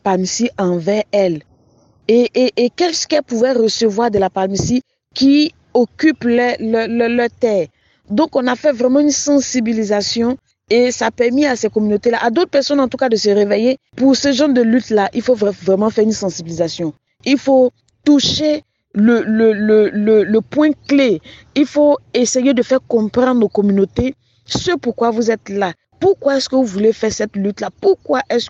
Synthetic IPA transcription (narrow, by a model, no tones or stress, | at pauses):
palmsiɑ̃vɛʁɛl | eʔːkɛlsə̥kɛlpuvɛʁəsəvwaʁd̪əlapalmsi | ki | okyplɛlllœʁt̪ɛːʁ | d̪ɔ̃kɔ̃nafɛvʁɛmɑ̃ynsɑ̃sibilizasjɔ̃ | esapɛʁmiasɛkɔmynot̪elaʔad̪ot̪χəpɛʁsɔnɑ̃t̪ukad̪əsəʁevejepuʁsəʒɑ̃d̪əlyt̪laʔilfovɛvʁɛmɑ̃fɛʁynsɑ̃sibilizasjɔ̃ | ilfo | t̪uʃe | lələlələləpwɛ̃kle | ilfoesejed̪əfɛʁkɔ̃pχɑ̃d̪nokɔmynot̪e | səpuʁkwavuzɛt̪la | puʁkwaɛskəvuvulefɛʁsɛt̪lyt̪lapuʁkwaʔɛs